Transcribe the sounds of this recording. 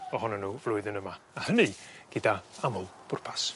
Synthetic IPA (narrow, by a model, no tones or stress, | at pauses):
ɔhɔnɔnːuːvlˠʊɨðənəmaːhəniɡ̥ɪdaamʊlˠb̥ʊrpʰḁs